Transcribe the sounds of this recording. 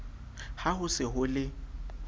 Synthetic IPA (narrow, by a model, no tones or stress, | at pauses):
haɦʊsɪɦʊlɪ